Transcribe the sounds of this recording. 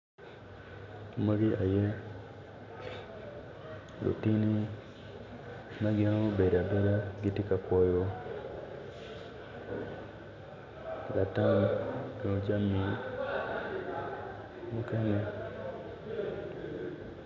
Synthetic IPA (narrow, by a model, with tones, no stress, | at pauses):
ma˦ɡi˦ʔa˨je˦ | lo̰˨ti˦ni˦ | ma˦ɡɪ˦no˦be˨ɾa˨be˦ɾa˦ɡi˦tɪ˦ka˨kwɔ˦jo˦ | la˨ta˦me˨o˨d͡ʒa˦mi˨ | mo˦kɛ˦ŋɛ˦